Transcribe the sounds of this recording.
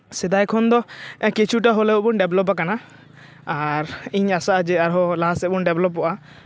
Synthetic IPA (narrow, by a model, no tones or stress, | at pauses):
sɛd̪ajkʰɔnd̪ɔkit͡ʃʰuʈaɦɔlɛbɔnɖɛblɔp̬akana | aɾiɲasaʔad͡ʒɛaɾɦɔlaɦasɛbɔnɖɛblɔpːɔʔa